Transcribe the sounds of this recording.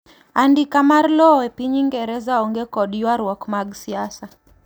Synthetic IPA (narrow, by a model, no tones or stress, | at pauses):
andikamaɾlɔwɛpiɲiŋɡɛɾɛzaɔŋɡɛkɔɗiwaɾwakmaɡsiasa